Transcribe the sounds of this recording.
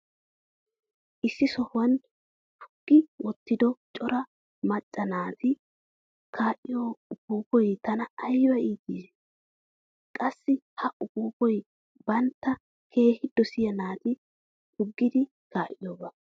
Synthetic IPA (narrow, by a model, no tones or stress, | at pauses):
ʔɪsːɪsɔhʊwɐn | hʰʊ̥ɡ̥ːɪwɔt̪ːɪd̪ɔt͡ʃʼɔɾɐ | mɐt͡ʃʼːɐnaːt̪ɪ | kʰaːʔɪjoːʊɡuːkɔjt̪ɐnɐːjbɐiːt̪ːiːs | kʼɐsːɪhɐʔʊɡuːkɔj | bɐnt̪ːɐ | kʰe̞ːhɪd̪ɔsɪjɐnaːt̪ɪ | tʊɡːɪd̪ɪ | kaːʔɪjoːbɐ